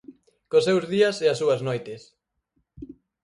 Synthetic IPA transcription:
kosewzðiɐseɐsuɐznojt̪es

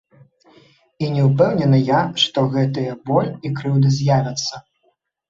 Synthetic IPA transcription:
inʲɛuwpɛwnʲɛnɨjaʂt̪ɔɣɛt̪ɨjɐbɔlʲikɾɨwd̪ɨzʲjavʲɐt̪sːɐ

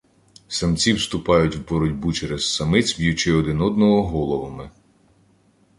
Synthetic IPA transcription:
sɐmt͡sʲiwst̪ʊpɑjʊtʲwbɔɾɔdʲbut͡ʃɛɾezsɐmɪt͡sʲbʲjʊt͡ʃɪɔd̪ɪnɔd̪nɔɦɔɦɔlˠɔʋɔmɪ

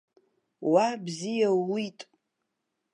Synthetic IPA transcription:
wabzijaitʼ

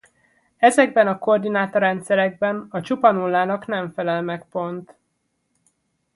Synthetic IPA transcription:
ɛzɛɡ̚bɛnɒko̞rd̪inaːt̪oɾɛnt̪sɛɾɛɡ̚bɛnɒt͡ʃupɒnulːaːnɒknɛɱfɛlɛlmɛkpo̞nt̪

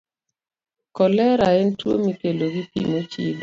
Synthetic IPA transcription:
kɔlɛɾaentwo̰mikeloɡipḭmot͡ʃḭb

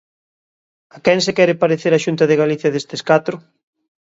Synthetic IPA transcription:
akɛŋsekɛɾɪpaɾeθeɾaʃunt̪ɐðeɣaliθjɐðest̪eskat̪ɾʊ

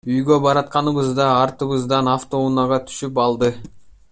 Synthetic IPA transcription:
yjɡøbɑɾɑt̪̚qɑnɯβɯzd̪ɑːɾt̪ɯβɯzd̪ɑnɑft̪o̞unɑʁɑt̪ʰy̥ʃyp̬ɑlˠd̪ɯ

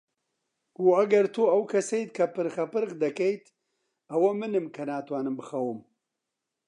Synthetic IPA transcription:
ɡ̥uːɐɡɐɾt̪ʰuɐwkʰɐsɐjt̪̚kʰɐpɨɾxɐpɨɾɣd̪ɐkɛjt̪ | ɐwɐmɨnɨmkʰɐnaːt̪waːnɨmbɨxɐwɨm

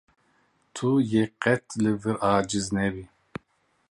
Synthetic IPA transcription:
t̪ʰujeqɛt̪ʰlɨvɨɾaːd͡ʒɨznɛbi

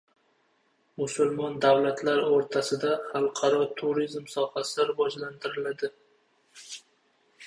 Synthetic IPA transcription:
mʊsʊlˠmɒnd̪awlat̪ʰlaɾoɾt̪ʰasɪd̪aχɑlˠqʰɑɾɒt̪ʰʊɾizmsɒhasɪɾɪvɒd͡ʒlant̪ʰɪɾɪlad̪ɪ

